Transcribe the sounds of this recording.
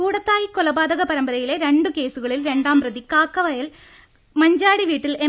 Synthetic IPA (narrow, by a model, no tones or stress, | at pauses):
kuːɽɐt̪ːaːjikolɐbaːd̪ɐɣɐpɐɾɐmbɐɾɐjile̞ɾe̞ɳɖɨke̞ːsuɣɐɭilɾe̞ɳɖaːmprɐðikaːkːɐʋɐjɐl | mɐɲd͡ʑaːɽiʋiːʈːile